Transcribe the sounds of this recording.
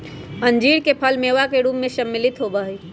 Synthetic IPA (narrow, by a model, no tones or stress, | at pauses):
ə̃nd͡ʒiːɽkepʰəlmeːʋakeɾuːpmẽsəmːɪlɪt̪ɦobəɦiː